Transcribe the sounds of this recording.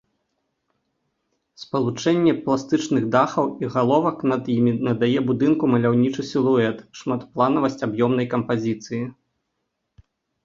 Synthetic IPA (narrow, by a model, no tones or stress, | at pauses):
spɐlˠut͡ʂɛnʲːɛplˠast̪ɨt͡ʂnɨɣd̪axɐwiɣalˠɔvɐknɐd̪jimʲinɐd̪ajɛbud̪ɨnkumɐlʲawnʲit͡ʂusʲilˠuɛt̪ʂmat̪plˠanɐvɐsʲt͡sʲabjɔmn̪ɐjkɐmpazʲit̪sɨji